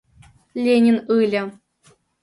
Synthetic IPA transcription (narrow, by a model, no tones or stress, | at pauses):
lʲenʲinɯlʲɘ̆